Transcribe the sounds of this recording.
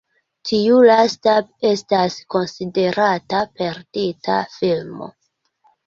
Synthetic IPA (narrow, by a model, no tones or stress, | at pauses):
tʰiulastae̞stasko̞nside̞ɾatape̞ɾditʰa̰filmo̰